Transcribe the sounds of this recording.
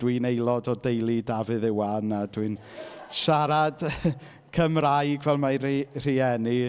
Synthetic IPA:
d̥winejlˠɔdɔdejlˠidavɨðɪwanadwɨn | ʃaɾad | kʰəmrajɡvɛlˠmarir̥iɛni

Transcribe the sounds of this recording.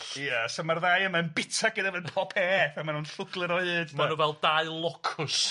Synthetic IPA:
jəsəmarðajəmanbɪtʰaɡədavənpʰɔpʰɛθamanuːnɬʊɡlˠɨɾɔɨɨdmanuvɛlˠdaɨlˠɔkʰʊs

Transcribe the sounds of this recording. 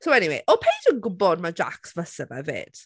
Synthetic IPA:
sowɛniwḛʔɔpʰejdənɡʊbɔd̚mad͡ʒa̰ksvəsəvɛ̰vḛːd̥

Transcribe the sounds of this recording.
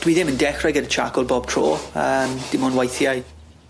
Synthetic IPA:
d̥wiðɪməndɛχrɛɡədət͡ʃʰaɡʊlˠbɔb̥̚tʰro̰ːəmd̥ɪmʊnwajθjajd

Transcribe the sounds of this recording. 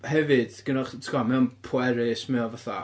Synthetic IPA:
hɛvɨd̥ɡ̥ənɔχtʰkɔmɛnpʰwɛɾɪsmɛɔvaθa

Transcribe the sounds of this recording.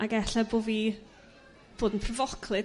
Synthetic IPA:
aɡɛɬaboːvi | b̥oːdnpʰrəvɔkʰlˠɨ

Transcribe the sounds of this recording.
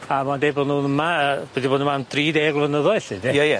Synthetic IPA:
amadeːbɔnuːnəmaəb̥ɛdibɔːdnəmand̥riːdeːɡlˠvənəðɔɨɬɪndɪjajɛ

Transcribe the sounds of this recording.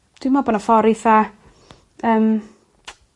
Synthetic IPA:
d̥wimaboːnɔfɔɾɪθa | əːm

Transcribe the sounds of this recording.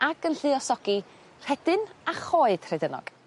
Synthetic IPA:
aɡənɬɨɔsɔɡ̥i | r̥ɛd̥ɨnaχoːɨd̥r̥ɛdənɔ̰ɡ̥

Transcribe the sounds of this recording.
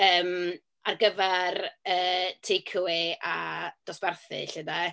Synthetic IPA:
əːm | arɡəvɛrəːtʰekʰəwɪad̥ɔsb̥ɛrθɨ̰ɬəda

